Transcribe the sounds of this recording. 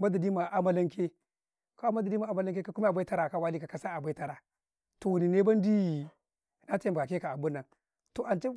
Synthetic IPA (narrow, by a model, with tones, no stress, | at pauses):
ma˦da˨di˦ma˨ʔa˨˦ma˦la˦ŋke˦ | ka˦a˦ma˦da˨di˦ma˨a˦ma˦la˦ŋk̬e˦ka˦ku˦ma˦a˨bʷa˦i˦a˦ɾa˨ka˨wa˦li˦ka˨ka˦sa˦a˨bʷa˦i˦ta˦ɾa˨ | to˨wu˨ni˨ne˦ba˦n˦di˦˨ | na˦te˦˨bɡa˨ke˦ka˨a˨bu˦nːa˨ŋ | to˨ʔa˨nt͡ʃe˦